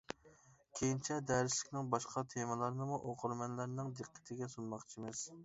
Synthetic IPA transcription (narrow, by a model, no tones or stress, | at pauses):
kʲʰejint͡ʃʰɛd̪ɛɾɪslɪkʲnɪŋbɑʃqʰɑt̪ʰemɨlˠɑɾnɨmuʔoqʰʊɾmɛnlæɾnɨŋd̪ɨqʰːə̥t̪ʰɪɡʲɛsunmɑχt͡ʃʰimɪz̥